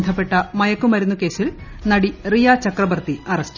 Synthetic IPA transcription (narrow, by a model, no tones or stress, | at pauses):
nd̪ʱɐpːe̞ʈːɐmɐjɐkːumɐɾunːuke̞ːsilnɐɽirijaːt͡ɕɐkrɐbɐrt̪iɐrɐst